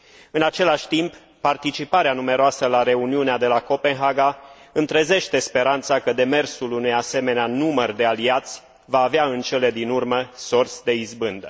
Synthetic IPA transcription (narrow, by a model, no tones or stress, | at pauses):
ɨnat͡ʃe̞laʃʲt̪impː | art̪it͡ʃipaɾeanume̞ɾoasəlaɾe̞uniunead̪e̞lako̞pe̞nɦaɡaɨnt̪ɾeze̞ʃt̪e̞spe̞ɾant̪sakəd̪e̞me̞rsulunujase̞me̞neanumərd̪e̞aliat̪sʲ | vaːveaɨnt͡ʃe̞le̞d̪inurməsorsʲd̪e̞izbɨnd̪ə